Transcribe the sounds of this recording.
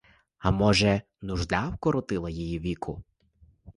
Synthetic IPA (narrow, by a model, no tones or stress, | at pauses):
ɐmɔʒɛ | nʊʒd̪awkɔɾɔt̪ɪlˠɐjijiʋʲikʰʊ̰